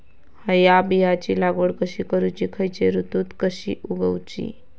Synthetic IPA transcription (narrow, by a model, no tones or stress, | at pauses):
həjabijat͡ɕilaɡəɽkəɕikəɾut͡ɕikʰəjt͡ɕeɾut̪ut̪kəɕḭʔuɡəwt͡ɕḭ